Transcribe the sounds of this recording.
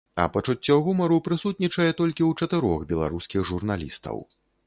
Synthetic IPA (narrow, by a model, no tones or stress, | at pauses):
ɐ̰pɐt͡ʂut͡sʲːɔɣumɐɾupɾɨsut̪̚nʲit͡ʂɐjɛt̪ɔlʲkʲiwt͡ʂɐt̪ɨɾɔxbʲɛlˠa̰ɾuskʲiɣʐurnalʲḭst̪ɐ̰w